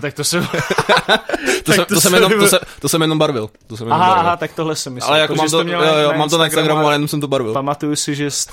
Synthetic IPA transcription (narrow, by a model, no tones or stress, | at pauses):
t̪ak̚t̪osɛm | t̪osɛmt̪osɛmɛnot̪osɛt̪osɛmjɛnombaɾvɪlt̪os̬ɛmjɛanɦaɦat̪ak̚t̪oɦlɛsɛmɪa̰lɛjakomamt̪oɛjojomaːmt̪onaɪnst̪aɡɾamualjɛnomsɛmt̪obaɾvɪlpamat̪ujusɪʒɛs